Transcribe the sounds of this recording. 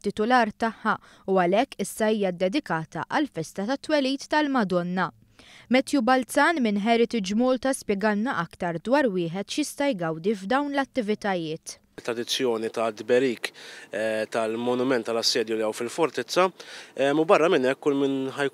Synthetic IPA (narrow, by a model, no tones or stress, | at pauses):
t̪ːɪt̪ʊlɐːɾt̪ɐħːɐ | uɐlɛkːɪsːɐiːjɐd̪ɛd̪ɪkɐːt̪ɐʔɐlfɛst̪ɐt̪ɐt̪ːwɛliːt̪ːɐlmɐd̪ɔnːɐ | mɛt̪jubɐlt͡sɐːnmɪnħɛɾɪt̪id͡ʒmuːlt̪ɐspjɛɡɐnːɐʔɐkt̪ɐɾd̪wɐːɾwɪːħɛt̪ʃjɪst̪ɐjɡɐwd̪ivd̪ɐwnlɐt̪ːɪvɪt̪ɐjɪːt̪ | t̪ːɾɐd̪ɪt͡sːjɔːnit̪ɐd̪bɛɾiːkɛt̪ɐlmɔnʊmɛnt̪ːɐlɐsːɛːd̪juliɛwfɪlfɔɾt̪ɪt͡sːɐɛmubɐrːɐmɪnɛkːʊlminħɐj